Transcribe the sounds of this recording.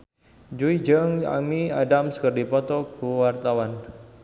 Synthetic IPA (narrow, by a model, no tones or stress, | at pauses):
d͡ʒuid͡ʒəŋa̰miadamskərdipɔt̪ɔɡuwart̪awan